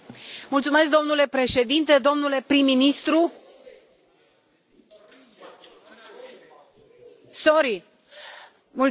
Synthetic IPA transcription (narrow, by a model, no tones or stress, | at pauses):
mult̪sume̞sk̚d̪o̞mnule̞pɾe̞ʃe̞d̪int̪e̞d̪o̞mnule̞pɾimːinist̪ɾu | soɾi | mul